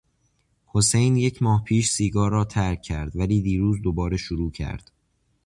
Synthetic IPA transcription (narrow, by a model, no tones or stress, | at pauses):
ho̞se̞jnje̞cʰmɒːhpʰiːʃsiːɡɒːɾɒːt̪ʰæɾkʲʰːæɾd̪væliːd̪iːɾuːzd̪obɒːɾe̞ʃoɾuːcʰæ̰ɾd̪̥